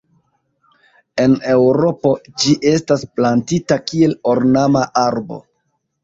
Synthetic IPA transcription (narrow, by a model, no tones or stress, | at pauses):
e̞ne̞wɾo̞po̞d͡ʒiʔe̞stasplantitakie̞lo̞ɾnamaʔaɾbo̞̰